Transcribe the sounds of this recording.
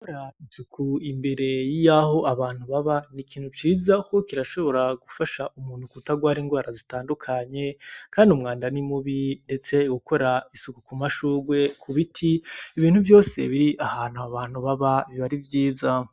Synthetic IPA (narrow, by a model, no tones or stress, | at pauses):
koɾaisukʰuimbe̞ɾe̞jijaho̞ʔaβaːn̥huβaβanikiːnhut͡ʃiːzakokiɾaʃo̞βo̞ɾaɡufaʃaʔumuːn̥hukutaɡwaːɾiːŋɡwaːɾazitaːndukʰaɲe̞kaːndiumŋaːndanimuβinde̞t͡se̞ɡukʰo̞ɾaisukukumaʃuːɡwe̞kʰuβitʰiiβiːnhuvjo̞ːse̞̰βiɾiʔahaːnhuaβaːn̥huβaβaβiβaɾivjiːza